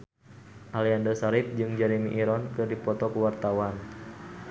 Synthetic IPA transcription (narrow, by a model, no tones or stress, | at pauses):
ʔaliandəsaɾip̚d͡ʒɨŋd͡ʒaɾimiʔːɾɔnkɨrdipɔt̪ɔkuwart̪awan